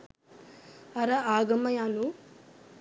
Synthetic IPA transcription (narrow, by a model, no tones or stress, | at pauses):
ɐɾɐaːɡɐmɐjaːnu